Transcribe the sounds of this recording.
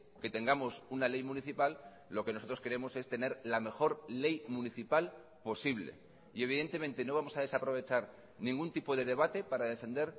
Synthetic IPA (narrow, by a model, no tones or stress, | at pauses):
ke̞t̪e̞ŋɡamo̞sunale̞jmũniθipalː | o̞ke̞noso̞t̪ɾo̞skeɾe̞mo̞se̞st̪e̞ne̞ɾlame̞xo̞ɾle̞jmuniθipal | po̞siβle̞̰ | ie̞β̞iðe̞nt̪e̞mẽ̞nt̪e̞no̞β̞amo̞saðe̞sapɾo̞βe̞t͡ʃaɾ | nĩŋɡunt̪ipo̞ðe̞ð̞e̞β̞at̪e̞paɾaðe̞fe̞nd̪e̞ɾ